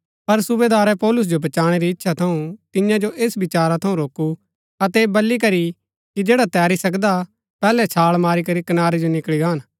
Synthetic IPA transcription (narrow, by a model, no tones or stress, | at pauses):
pɐɾsʊbeːd̪aːɾɛpɔːlʊs̬d͡ʒobʱɐt͡ʃaːɽ̃eɾiɪtːʃʰat̪ʰɐũt̪ɪjãd͡ʒoʔeːsbɪt͡ʃaːɾat̪ʰɐũɾoːku | ɐt̪ɛːbɐlːikɐɾi | kid͡ʒeːɽat̪ɛːɾisɐkd̪a | pɛːlɛt͡ʃʰaːɭmaːɾikɐɾikɐnaːɾed͡ʒonɪkɭiɡaːn